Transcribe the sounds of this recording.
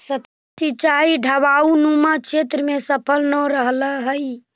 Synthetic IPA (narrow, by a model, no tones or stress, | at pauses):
sət | it͡ʃaiɖʱəβaunumakt͡ʃʰet̪ɾəmesəpʰəlnəɾəɦləɦəj